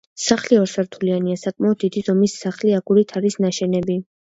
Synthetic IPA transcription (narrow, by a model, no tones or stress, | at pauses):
saχliɔɾsaɾt̪ʰulianiasakʼmaɔd̪̚ːid̪izɔmisːaχliaɡuɾit̪ʰaɾisnaʃɛnɛbi